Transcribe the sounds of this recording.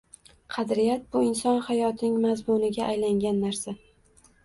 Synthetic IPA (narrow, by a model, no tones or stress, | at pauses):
qʰɑd̪ɾɪjat̪̚bʊɪnsɒnhajɒt̪ʰɪnɪŋmazmʊnɪɡʲaʔajlaŋɡʲanːaɾsa